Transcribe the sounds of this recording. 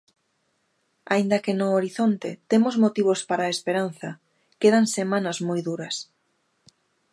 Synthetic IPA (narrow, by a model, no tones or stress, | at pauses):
aind̪ɐkɪnʊoɾiθont̪ḛt̪emʊzmot̪iβ̞ʊspaɾaespeɾan̟θɐ | keðansemãnɐzmojðuɾɐs